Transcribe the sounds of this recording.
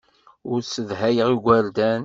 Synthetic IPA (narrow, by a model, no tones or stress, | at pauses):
ʊɾsəðɦæjəʁiɡʷæɾd̪æn